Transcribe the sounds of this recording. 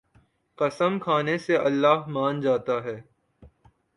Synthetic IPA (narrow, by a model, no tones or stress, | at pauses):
qɐsəmkʰaːneseɐlːaːɦmãːnd͡ʒaːt̪aɦɛː